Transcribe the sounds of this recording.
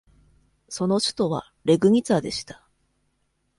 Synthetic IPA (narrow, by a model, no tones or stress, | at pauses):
so̞no̞ɕɨ̥t̪o̞βa̰ | ɾe̞ɡɯ̟ŋ̟it͡sad̪e̞ɕi̥t̪ḁ